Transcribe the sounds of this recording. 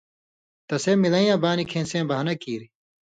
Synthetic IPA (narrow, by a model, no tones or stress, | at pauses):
t̪ɐseːmilɐ̃ĩjãːbaːnikʰẽːnsẽːbɐɦnɐkiːɾi